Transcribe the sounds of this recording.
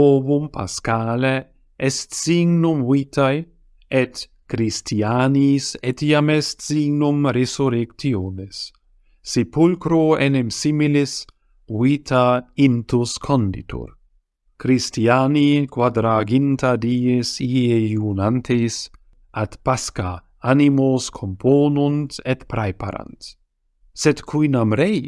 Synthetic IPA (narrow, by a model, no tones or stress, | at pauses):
ovumpʰa̰skaːle | ɛst̪siɡnumwit̪aj | et̪ | kɾist̪ianiːset̪iamɛst̪siɡnumɾesuɾekt̪ioːnesː | ipulkɾoenemsimilis | wiːt̪ʰaint̪uskʰond̪ḭt̪ʰṵɾ | kɾist̪ianikwad̪ɾaɡint̪ad̪iːesiejunant̪ʰejs | at̪paska | animoskʰompʰoːnunt̪et̪pɾajpa̰ɾa̰nt̪ | set̪kʰwinamɾej